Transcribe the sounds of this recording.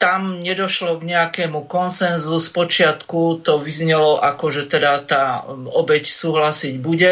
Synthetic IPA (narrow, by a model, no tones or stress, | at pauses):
t̪amɲɛd̪ɔʃlɔɡɲɛakɛːmukɔnsɛnzuspɔt͡ʃɪat̪kut̪ɔʋizɲɛlɔʔakɔʒɛt̪ɛd̪at̪aːɔbɛcsuːɦlasiɟbuɟɛ